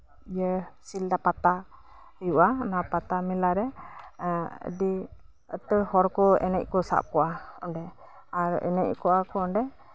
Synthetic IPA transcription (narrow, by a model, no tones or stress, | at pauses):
ijəsild̪apat̪a | juʔanapat̪amilaɾɛ | ə̰ɖi | ə̰t̪əhɔɾkɔɛ̰nɛc̚ˀkɔsa̰ʔp̚kɔʔaɔɳɖɛ | aɾɛ̰nɛc̚kɔʔakɔɔɳɖɛ